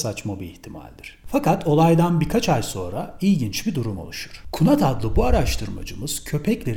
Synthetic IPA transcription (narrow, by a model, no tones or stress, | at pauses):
sat͡ʃmabiːht̪ʰima̰lʲd̪iɾ̥fakat̪ʰo̞lˠajd̪anbiɾkʰat͡ʃʰajso̞ːnɾaijɟint͡ʃbid̪uɾumo̞̰lˠuʃu̥ɾ̥kʰunat̪ʰad̪lˠɯbuaɾaʃt̪ʰɯɾma̰d͡ʒɯmɯz̥cʰø̞pʰɛclʲe̞ɾ